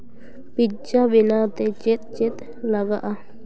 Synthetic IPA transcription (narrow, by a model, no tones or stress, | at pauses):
pid͡ʒabinat̪et͡ʃet̪̚t͡ʃet̪ | laɡaʔa